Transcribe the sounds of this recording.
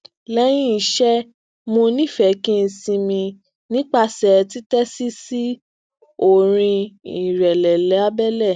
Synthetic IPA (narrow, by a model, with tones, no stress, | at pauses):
lɛ˦j̃ĩ˦i˨ʃɛ˦ | mõ˧nĩ˦˨fɛ˨˦kĩ˦n̩˧sĩ˧mĩ˧ | nĩ˦k͡pa˦˧sɛ˨ti˦tɛ˦si˦si˦ | o˦˨ɾ̃ĩ˧i˨ɾɛ˨lɛ˨lɛ˨˦a˦bɛ˦lɛ˦˨